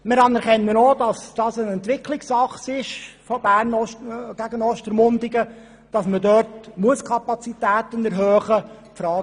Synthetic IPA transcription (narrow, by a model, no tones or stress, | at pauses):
mɪɾɑnɛɾχɛnːənoːdɑsd̥ɑːsənɛnt̪ʋɪkʰlɪksɑχsɪʃfɔb̥æːɾnɔɡ̥æɡ̥ənɔʃtəɾmʊndɪɡə | d̥ɑsmədœrtmuəskʰɑpɑt͡sitæːt̪ənɛɾɦœːχə | fɾɑː